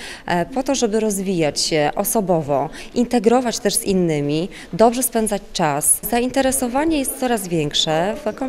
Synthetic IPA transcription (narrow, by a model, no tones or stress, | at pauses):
pɔt̪ɔʐɛbɘɾɔzvʲijat͡ɕɕɛʔɔsɔbɔvɔʔint̪ɛɡɾɔvat͡ɕt̪ɛʐz̥inːɘmʲi | d̪ɔbʐɛspɛnd̪zat͡ɕt͡ʂaszaint̪ɛɾɛsɔvaɲɛjɛst̪sɔɾazvʲjɛŋkʂɛfkɔ